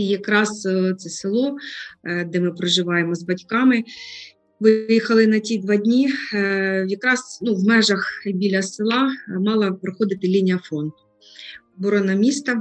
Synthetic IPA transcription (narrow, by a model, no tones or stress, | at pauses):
jɐkɾɑzt̪sɛsɪlˠɔ | d̪ɛmɪpɾɔʒɪʋɑjemɔzbɐdʲkɑmɪ | ʋɪɪjixɐlˠɪnɐtʲid̪ʋɑdʲnʲi | jɐkɾɑz̥nuwmɛʒɐxbʲilʲɐsɪlˠɑmɑlˠɐpɾɔxɔd̪ɪt̪ɪlʲinʲijɐfɾɔnt̪ʊ̥ | bɔɾɔnɐmʲist̪ɐ